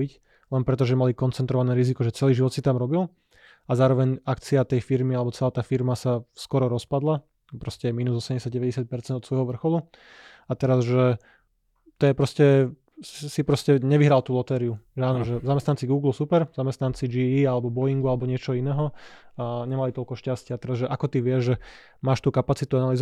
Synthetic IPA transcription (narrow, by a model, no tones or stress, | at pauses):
ic | lɛnpɾɛt̪̬ɔʒɛmalikɔnt͡sɛnt̪ɾɔʋanɛːɾizikɔʒɛt͡sɛliːʒiʋɔt̪sit̪amɾɔbil | azaːɾɔʋɛɲakt͡siat̪ɛjfiɾmialɛbɔt͡sɛlaːt̪aːfiɾmasaskɔɾɔɾɔspad̪la | pɾɔscɛɛmiːnuzɔsɛmɟɛsɪjaɟɛʋɛɟɛsɪjat̪̚pɛɾt͡sɛnd̪ɔt̪sʋɔjɦɔʋr̩xɔlu | at̪ɛɾazʒɛ | t̪ɔjɛpɾɔscɛ | sipɾɔscɛɲɛʋiɦɾalt̪uːlɔt̪ɛːɾiuʒɛaːnɔʒɛzamɛst̪ant͡siɡuːɡl̩supɛɾzamɛst̪nant͡sid͡ʒiialɛbɔbɔjiŋɡualɛbɔɲɪɛt͡ʃɔɦɔinɛːɦɔ | ɲɛmalit̪ɔlkɔʃcascɪat̪ɛɾazʒɛʔakɔt̪iʋɪɛʒʒɛ | maːʃt̪uːkapat͡sit̪uanaliz